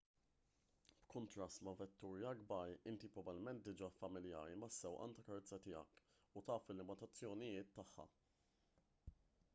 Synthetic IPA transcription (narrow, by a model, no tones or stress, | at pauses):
b̥kʊnt̪ɾɐst̪mɐvɛt̪ːuːɾjɐɡbɐɾɪnt̪ipɾɔvɐlmɛnt̪̚d̪ɪd͡ʒɐfɐmɪljɐ̰ːɾimɐsːɛwʔɐ̰nt̪ɐkɐɾɛt͡sːɐt̪ɪjɐ̰k | ʊt̪ɐːfɪlːɪmɐt̪ɐt͡sːjɔnɪjɪːt̪ːɐħːɐ̰